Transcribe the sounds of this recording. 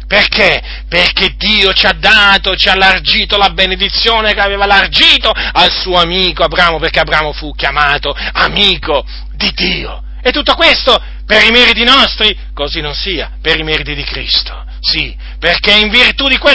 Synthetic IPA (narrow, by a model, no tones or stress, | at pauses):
perkʰe | perked̪iːot͡ʃiad̪ːaːt̪ot͡ʃialːard͡ʒiːt̪olabened̪it̪sːjoːnekeaveːvalard͡ʒiːt̪oalsuːoamiːkoabɾaːmoperkeabɾaːmofukjamaːt̪oamiːko | d̪id̪ːiːo̰ | et̪ːut̪ːokwest̪o | peɾimɛːɾit̪inɔst̪ɾi | kozinõnsiːapeɾimɛɾit̪id̪ikɾḭst̪o̥ | si | perkeiɱvirt̪ud̪ikwe